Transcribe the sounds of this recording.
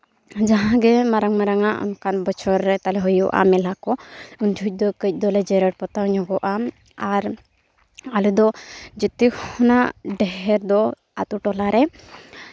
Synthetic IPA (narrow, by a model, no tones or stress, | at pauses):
d͡ʒaɦãɡɛmaɾaŋmaɾaŋaʔɔ̰nkanbɔt͡ʃʰɔɾːɛt̪alɛɦɔjuʔa̰mɛlakɔund͡ʒʱuc̚ˀd̪ɔkəc̚ˀd̪ɔlɛd͡ʒɛɾəʈ̚pɔt̪awɲɔ̃ɡɔʔa | aɾ | alud̪ɔd͡ʒit̪ikhɔnaɖɛɦɛɾd̪ɔ | a̰t̪uʈɔlaɾɛ